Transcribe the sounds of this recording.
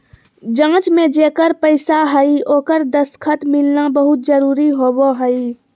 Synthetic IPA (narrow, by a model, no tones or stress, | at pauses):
d͡ʒãːt͡ʃmed͡ʒekəɾpəɪsaɦəɪoːkəɾd̪əskʰət̪milnabəɦut̪̚d͡ʒəɾuːɾiɦoboɦəi